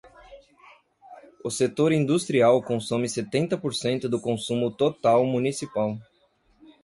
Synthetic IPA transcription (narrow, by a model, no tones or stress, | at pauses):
ʊset̪oɾĩnd̪ust̪ɾiawkõsõmɪset̪ẽnt̪ɐpoɾsẽnt̪ʊd̪ʊkõsũmʊt̪ot̪awmunisipaw